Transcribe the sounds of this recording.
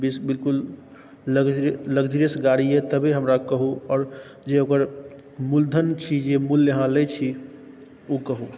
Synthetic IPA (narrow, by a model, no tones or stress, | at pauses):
bisbilkul | ləɡd͡ʒɾləɡd͡ʒɾəsɡaɽiet̪əbiɦəmɾakəɦuɔːɾ | d͡ʒeokəɾ | muld̪ʱənt͡ʃʰid͡ʒemuljəɦãlɛt͡ʃʰi | ukəɦu